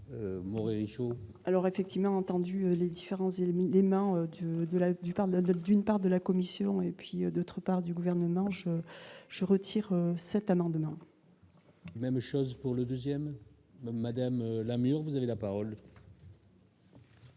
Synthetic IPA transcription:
ømɔʁeʁiʃo | alɔʁefɛk̚t̪ivmɑ̃ɑ̃t̪ɑ̃d̪yøled̪ifeʁɑ̃zelemɑ̃ød̪əd̪əlad̪ypaʁd̪ynpaʁd̪əlakɔmisjɔ̃epɥiød̪ot̪χəpaʁd̪yɡuvɛʁnəmɑ̃ʒəʒ̥əʁət̪ʰiʁøsɛt̪amɑ̃d̪mɑ̃ | mɛmʃɔzpuʁləd̪øzjɛm | mːad̪amlamyʁvuzavelapaʁɔl

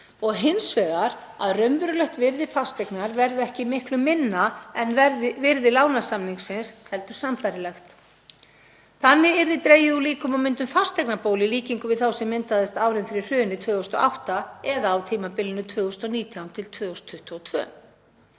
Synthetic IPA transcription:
ɔɣɦɪnsvɛːɣaɾ | a̰ðrœmvʏɾʏlœht̪vɪɾðɪfast̪ɛknaɾvɛɾðɛhcɪmɪhklʏmːɪnːaɛnvɛɾðɪvɪɾðɪlaːwnasamniŋksɪnshɛlt̪ʏ̥sampajɾɪlɛxt̪ | θanːɪɛɾðɪt̪ɾeːjɪuliːkʏmawmʏnt̪ʏmfast̪ɛjknapoːwlɪliːciŋkʏvɪðθawsɪmːɪnt̪aðɪst̪aːwɾɪnfɪɾɪ̥r̥ʏːnːɪt̪ʰvœːɣʏst̪ɔ̰ʔawht̪aɛðaːwt̪ʰiːmapɪlʏnʏt̪ʰvœːɣʏst̪ɔniːt̪ʰjawnt̪ʰɪlt̪ʰvœːʏst̪ʰːʏht̪uɔt̪ʰvœ̰ː

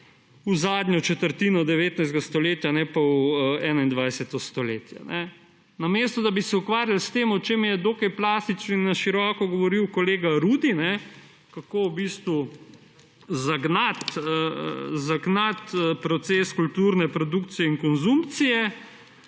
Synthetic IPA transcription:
uzaːd̪ɲɔt͡ʃɛt̪əɾt̪iːnɔd̪ɛʋeːt̪najzɡast̪ɔleːt̪janɛpawɛːnaind̪ʋajsɛt̪ɔst̪ɔleːt̪ja̰nɛ | nameːst̪ɔd̪abisɛukʋaːɾjalst̪eːmɔt͡ʃeːmjɛd̪oːkajplaːst̪it͡ʃninaʃiɾɔːkɔɡɔʋɔɾiwkɔleːɡaɾuːd̪inɛ | kakoːwbist̪ʋu | zaɡnat̪ə̰zaɡnat̪əpɾɔt̪seskult̪uɾnɛpɾɔd̪ukt̪sijɛiŋkɔnzumpt̪sijɛ

